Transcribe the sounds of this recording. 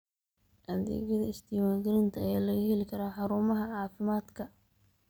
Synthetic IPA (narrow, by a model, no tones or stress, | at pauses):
ʔɐðɛ̰ːɣɐðɐɪst̪ʰɪːmaːŋɡɐɾɪnt̪ʰɐɐjaːlɐɣɐɦɛlɪkʰɐɾaːħɑɾuːmɐɦɐʕɑːfɪmaːd̪kʰɐ